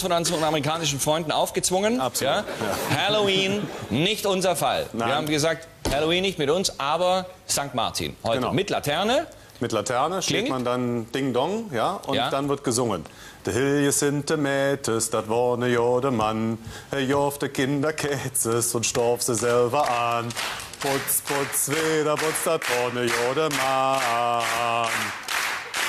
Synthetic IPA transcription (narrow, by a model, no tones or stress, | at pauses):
fɔnanzɔnameʁikʰaːnɪʃn̩fʁ̥ɔʏ̃ndn̩ʔaʊfɡ̥ət͡sv̥ʊŋənasjaːhɛloiːnːɪçtʔʊnzɐfa̰liɐhaːmvɡəzaːk̚t | hɛloiːnːɪçtmɪtʊnsʔaːbɐz̥aŋk̚tma̰ɐtʰḭːnhɔʏtːmɪtla̰tʰɛɐnə | mɪtlatʰɛɐnəʃtːɪŋmandand̥ɪŋdɔŋjaːʔʊjad̥anvɪɐt̚ɡ̥əzʊŋən | d̥ihɪljəsɪntʰəmɛːtʰəsd̥atvɔnəjoːdəmanhɛɐjɔftdəkʰɪndɐkʰɛt͡səsʊntʃtɔɐfz̥əzɛlbɐʔanpʊt͡spʊt͡sveːdɐbʊt͡sd̥atv̥ɔnəjoːdəma | an